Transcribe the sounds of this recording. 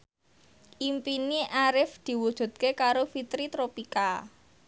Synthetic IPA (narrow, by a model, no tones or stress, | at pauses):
ʔimpiniʔaɾɪfd̪̥i̤wud̥ʒ̥ṳt̪̚kekaɾofit̪ɾit̪ɾopika